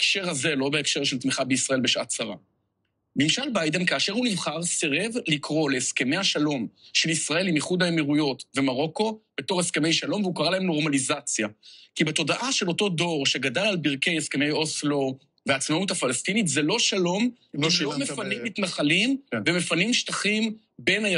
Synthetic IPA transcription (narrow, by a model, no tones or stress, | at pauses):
ekʃe̞ʁhazelo̞beekʃe̞ʁʃelt̪miχabeisʁae̞lbeʃaatsaʁa̰ | mimʃalbajde̞mkaːʃeʁunivχaʁseʁevlikʁo̞leːske̞mejaʃalo̞mʃe̞lisʁae̞limiχudaemiʁujo̞tve̞maʁo̞ko̞b̥e̞to̞ʁeske̞me̞jʃalo̞mveukaʁalahemno̞ʁmalizat͡sjakibeto̞daʔaʃe̞lo̞to̞do̞ʁʃe̞ɡadalalbiʁkejeske̞me̞jo̞slo | veat͡smautafalastinitzelo̞ʃalo̞m | ʃomefanimmːit̪naχalimveme̞fanimʃtaχim | be̞na